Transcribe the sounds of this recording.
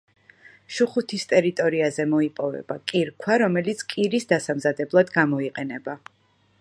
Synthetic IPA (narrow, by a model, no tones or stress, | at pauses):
ʃuχut̪ʰist̪ʼɛɾit̪ʼɔɾiazɛmɔipʼɔvɛ̰bakʼiɾkʰwaɾɔmɛlit̪sʰkʼiɾisd̪asamzad̪ɛblˠad̪ɡamɔiqʼɛnɛba